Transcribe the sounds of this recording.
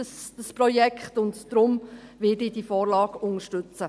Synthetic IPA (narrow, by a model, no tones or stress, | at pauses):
əsd̥əsprɔjɛkχtʊntd̥ɾʊmʋɪdidifɔːɾlɑːɡʊŋəʃtɵt͡sə